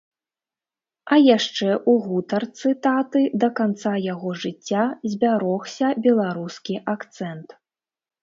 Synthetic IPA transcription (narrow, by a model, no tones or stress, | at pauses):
ɐjaʂt͡ʂɛʔuɣut̪ɐrt̪sɨt̪at̪ɨd̪ɐkant̪sajaɣɔʐɨt͡sʲːazʲbʲaɾɔxsʲɐbʲɛlˠaɾuskʲiʔakt̪sɛnt̪